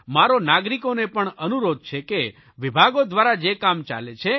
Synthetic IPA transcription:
maɾonaɡɾikonepəɳənuɾod̪̚t͡ʃʰeke | ʋibʱaɡod̪ʋaɾad͡ʒekamt͡ʃa̰let͡ʃʰe

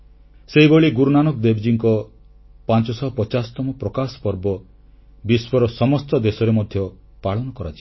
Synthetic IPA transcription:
seɦiboɭiɡuɾunanɔk̚d̪ebd͡ʒiŋkɔ | pant͡ʃɔsɔɦɔpɔt͡ʃasɔ̥t̪ɔmɔpɾɔkasɔ̥pɔɾbɔ | biswɔɾɔsɔmɔst̪ɔd̪esɔɾemɔd̪ʱjɔpaɭɔnɔkɔɾat͡ʃʰi̥

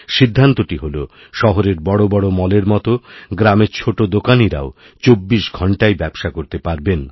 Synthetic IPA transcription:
ʃid̪ʱːant̪oʈiɦolo | ʃɔɦoɾeɾbɔɽobɔɽomɔleɾmɔt̪oɡɾameɾt͡ɕʰoʈod̪okaniɾa̰o | t͡ɕobːiʃɡʱɔɳʈaebɛbʃakoɾt̪epaɾben

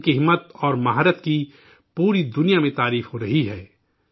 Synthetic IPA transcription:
kɪɦɪmːət̪ɔːɾmaɦaːɾət̪ki | puːɾid̪ʊnijamẽt̪aːɾiːfɦoɾɐɦiɦɛː

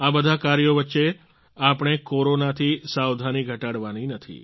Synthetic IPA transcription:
abəd̪ʱakaɾjoʋətːʃe | apəɳ̃ekoɾonat̪ʰisawd̪ʱaniɡʱəʈaɽʋaninət̪ʰḭ

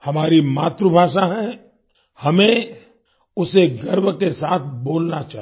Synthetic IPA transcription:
hɐmaːɾimaːt̪ɾəbʱaːʃaɦɛ̃ | hɐmẽ | ʊseɡɐɾbkesaːt̪ʰboːlnat͡ʃaːɦ

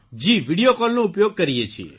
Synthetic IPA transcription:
d͡ʒiːʋiɽijokɔlnõupjoːɡ̚kəɾijet͡ʃʰiḛ

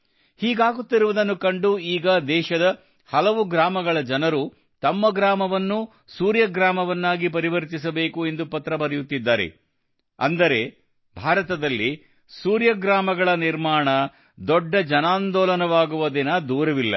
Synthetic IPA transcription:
hiːɡaːɡut̪ːiɾuʋud̪ɐnːukɐɳɖuiːɡɐd̪ɛːʃɐd̪ɐ | hɐlɐʋuɡɾaːmɐɡɐɭɐd͡ʒɐnɐɾu | t̪ɐmːɐɡɾaːmɐʋɐnːu | suːɾjɐɡɾaːmɐʋɐnːaːɡipɐɾiʋɐɾt̪is̬ɐbe̞ːkue̞nd̪upɐt̪ɾɐbɐɾɐjut̪ːid̪ːaːɾḛ | ɐ̰nd̪ɐɾe̞ | bʱaːɾɐt̪ɐd̪ɐlːi | suːɾjɐɡɾaːmɐɡɐɭɐniɾmaːɳɐ | d̪ɔɖːɐd͡ʒɐnaːnd̪ɔːlɐnɐʋaːɡuʋɐd̪inɐd̪uːɾɐʋilːɐ̰

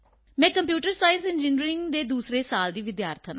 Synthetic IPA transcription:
mɛ̃ːkəmpjuːʈəɾsaːɪnsɪnd͡ʒiːniɾɪŋɡd̪eːd̪uːsɾeːsaːld̪iːʋɪd̪jaːɾt̪ʰən

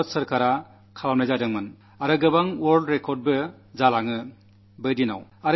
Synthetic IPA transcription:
t̚sɐɾkʰaɾa | kʰalamnajzadɯŋmɯn | aɾɯɡɯbaŋwɔɾldɾekʰɔɾd̚bɯ | zalaŋɯ | bɯjdina̰waɾ

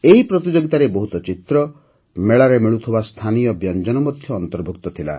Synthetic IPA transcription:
eɦipɾɔt̪id͡ʒoɡit̪aɾebɔɦut̪ɔt͡ʃit̪ɾɔ | meɭaɾemiɭut̪ʰibast̪ʰanijɔbjɔnd͡ʒɔnɔmɔd̪ʱjɔːnt̪ɔɾbʱuk̚t̪ɔt̪ʰila̰

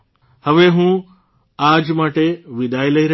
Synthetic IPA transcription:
həʋeɦũ | aːd͡ʒmaːʈeʋɪd̪ʱajlɐiɾə

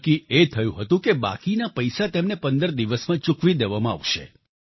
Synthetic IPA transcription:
kiʔet̪ʰəjũɦət̪ũkeba̰kinapəjsat̪emnepənd̪əɾd̪iʋəsmãt͡ʃukʋid̪eʋamãa̰ʋʃḛ

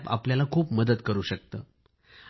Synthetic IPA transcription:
pa̰pljalakʰuːpməd̪ət̪kəɾuːɕək̚t̪əː

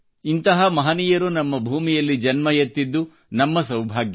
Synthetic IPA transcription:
int̪ɐɦɐmɐɦɐniːjɐɾunɐmːɐbʱuːmijɐlːid͡ʒɐnmɐjɐt̪ːid̪ːu | nɐmːɐsɐwbʱaːɡjɐ

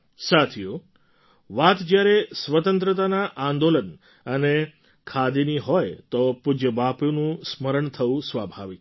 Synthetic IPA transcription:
sat̪ʰiju | ʋat̪d͡ʒjaɾesʋət̪ənt̪ɾət̪anaʔãnd̪olən | əne | kʰad̪iniɦɔjt̪opʊd͡ʒəbapjunũsməɾəɳt̪ʰəʋũsʋabʱaʋik

